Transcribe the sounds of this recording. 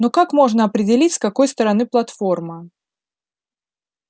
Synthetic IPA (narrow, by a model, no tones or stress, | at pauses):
nokakmo̞ʐnəɐpɾʲɪdʲɪlʲitʲskɐko̞jst̪əɾɐnɨplˠɐt̪fo̞rmə